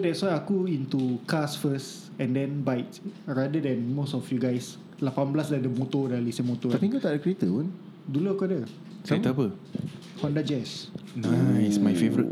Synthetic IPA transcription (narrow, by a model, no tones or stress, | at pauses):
sodɛtswajakuĩnt̪ukasfəs | ɛ̃ndɛ̃nbajtɹadədɛ̃nmosɔfjuɡajs | lapanblasdadəmot̪odalisəmot̪oapiŋkut̪aʔdəkɾiet̪əpɔn | duluakuadə | sat̪əapə | hɔ̃ndad͡ʒɛsaitsmajfevɾḭt